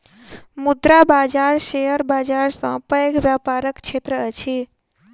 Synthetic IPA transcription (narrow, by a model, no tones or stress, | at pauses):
mud̪ɾabad͡ʒaɾʃejəɾbad͡ʒaɾsə̃pəəɡʱʋjapaɾəkt͡ʃʰet̪ɾəət͡ʃʰi